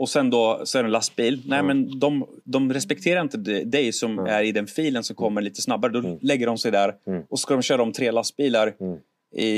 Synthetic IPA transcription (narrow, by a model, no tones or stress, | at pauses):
ɔsɛnd̪ɔsɔɛɾɛnlast̪biːlnɛːmɛnd̪ɔm | d̪ɔmɾɛspɛkt̪ʰeːɾaɾɪnt̪əd̪ɛjsɔmæɾɪd̪ɛnfiːlənsɔmkʰɔmːəɭiːt̪ə̥snabːaɾəd̪ɔlɛɡːəɖɔmsɛjd̪æɾɔɔskad̪ɔmɕøːɾad̪ɔmt̪ʰɾeːlast̪̚biːlaɾ | ɪ̰